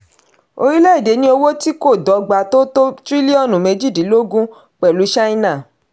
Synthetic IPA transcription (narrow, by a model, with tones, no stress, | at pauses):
o˧ɾi˦lɛ˦i˦˨de˨˦nĩ˦o˧wo˦ti˦ko˦˨dɔ˨˦ɡ͡ba˧˦to˦to˦tɾi˦li˦ɔ˦˨nũ˨me˧d͡ʒi˦˨di˨˦lo˦ɡũ˦ | k͡pɛ˨lu˨˦ʃa˦i˦˧nã˦˨